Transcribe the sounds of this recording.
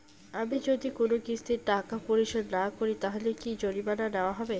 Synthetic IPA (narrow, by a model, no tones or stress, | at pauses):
amid͡ʑod̪ikonokist̪ʰiɾʈakapoɾiʃod̪nakoɾit̪aɦolekid͡ʑoɾibananeoaɦɔbe